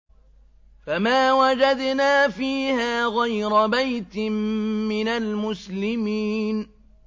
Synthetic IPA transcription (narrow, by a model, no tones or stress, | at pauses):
famaːwad͡ʒad̪naːfiːhaːɣajɾabajt̪ɪmːɪnalmʊslɪmiːn